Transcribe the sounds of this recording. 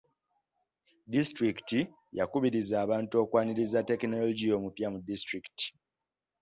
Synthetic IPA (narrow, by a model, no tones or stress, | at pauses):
distɾikti | jakuβiɾizaːβaːntuo̞ːkwaːniɾizate̞kno̞loɟijo̞ːmupjamudistɾikti̥